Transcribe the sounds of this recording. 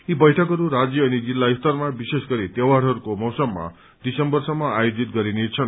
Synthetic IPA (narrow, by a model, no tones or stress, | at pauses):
ibʌjʈʰʌkɦʌɾuɾad͡zjʌʌnid͡zilːaist̪ʌrmabisesɡʌɾit̪ewaɽɦʌɾukomʌwsʌmːa̰ | d̪̥isʌmbʌrsʌmːʌajod͡zit̪̚ɡʌɾinet͡sʰʌn